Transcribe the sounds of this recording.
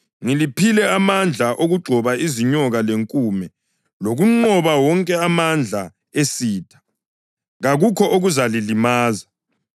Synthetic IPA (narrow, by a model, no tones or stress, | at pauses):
ŋilipʰilɛamand͡ɮʱaʔoɣuɡ͡ǀʱɔβaiziɲɔɣaleŋkʼuːmɛ | loɣuŋ͡ǃɔβawɔŋkʼɛamand͡ɮʱa | esiːtʰḁ | ɣaɣukʰɔʔoɣuzalilimaːza